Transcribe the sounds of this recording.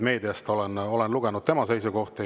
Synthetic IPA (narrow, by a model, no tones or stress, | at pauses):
me̞ːd̪iɑst̪o̞lɛno̞lenluɡenud̪̚t̪e̞mɑse̞jsuko̞ht̪i